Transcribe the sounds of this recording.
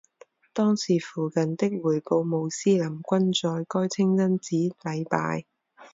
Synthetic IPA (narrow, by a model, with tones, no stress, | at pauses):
t̪ɔː˥ŋsiː˨˩fuː˨˩kɐ˨nt̪ɪ˥k̚wuː˨˩jpo˧wmo˨˧wsiː˥lɐ˨˩mkʷɐ˥nt͡sɔː˧jkɔː˥jt͡sʰɪ˥ŋt͡sɐ˥nt͡siː˨˥lɐ˨˧jpa̰ː˧j